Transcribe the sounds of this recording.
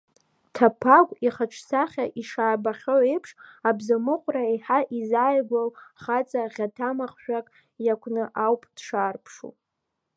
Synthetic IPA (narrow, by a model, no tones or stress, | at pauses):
tʰapʰaɡʷʼiχaʈ͡ʂʰsaχʲaʔiʂaːbaχʲoʕejpʰʂabzamɨqʷʼraeħaʔizajɡʷalχat͡sʼaʁʲatʰamaχʃᶣakʼ | jakʷʰnɨʔawpʼd̥ʂaːrpʰʂṵ